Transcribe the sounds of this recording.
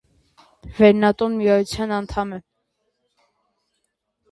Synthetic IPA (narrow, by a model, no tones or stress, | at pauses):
vɛɾnɑt̪ʼunmiɑjut͡sʰjɑnɑnt̪ʰɑmɛ